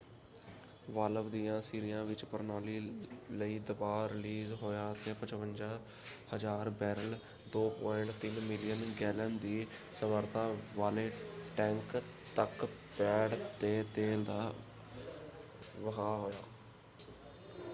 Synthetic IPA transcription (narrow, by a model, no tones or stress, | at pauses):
ʋaːləʋd̪ijãːsiːɾɪjãːʋɪt͡ʃpəɾnaːliːləiːd̪əbaːɾɪliːzɦoːjaːt̪eːpət͡ʃʋənd͡ʒaː | həd͡ʒaːɾbɛːɾəl | d̪oːpoːɪɳʈt̪ɪnmɪlɪjənɡɛːlənd̪iːsəməɾt̪ãːʋaːleːʈɛ̃ːŋk | t̪ək | pɛːɽt̪eːt̪eːld̪aː | ʋəɦaːɦoːjaː